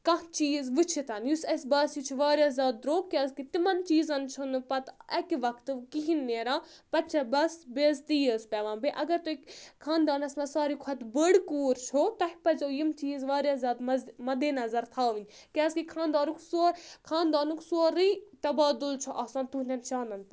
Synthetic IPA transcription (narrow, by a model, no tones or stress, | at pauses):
kɐ̃t͡ʃiːzʋɨt͡ʃʰit̪ɐnjusɐsbɐsjit͡ʃʰiʋaːɾjaːzʲaːd̪ɾoːɡkːʲaːskit̪imɐnt͡ʃiːzɐnt͡ʃʰunɨpɐt̪ɐkiʋɐkʰt̪ɨkiɦinːeːɾaːpɐt͡ʃʰɐbɐsbeːzt̪ijəːspʲɛʋãːnbeʔɐɡɐɾt̪uikkʰaːnd̪aːnɐsmɐsaːɾikʰɐt̪bəɽkuːɾt͡ʃʰot̪ɐhʲpɐzojimt͡ʃiːzʋaːɾʲjaːzʲaːd̪mɐmɐd̪eːnɐzɐɾt̪ʰaːʋinʲ | kʲaːskikʰãːnd̪aːnuksoːɾkʰaːnd̪aːnuksoːɾiːt̪ɐbaːd̪ult͡ʃʰoʔɐːsãːnt̪unʲɐnt͡ʃaːnɐnp